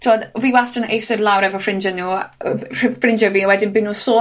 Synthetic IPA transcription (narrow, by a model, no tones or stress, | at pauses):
tʰodviːwastənḛjsɪrlˠawɾɛvɔfrɪnd͡ʒənuː | frɪnd͡ʒəviəwɛdɪnbɪnːuːsoː